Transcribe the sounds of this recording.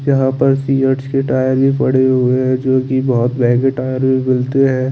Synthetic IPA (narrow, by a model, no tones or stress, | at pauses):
jɐɦãpɐɾsiːəɾt͡ʃkeʈaːjəɾbʱipɐɽ̤eɦʊeɦɛ̃d͡ʒoːkibɔɦʊt̪bɛːɡeʈaːjəɾbʱimɪlt̪eɦɛ̃ː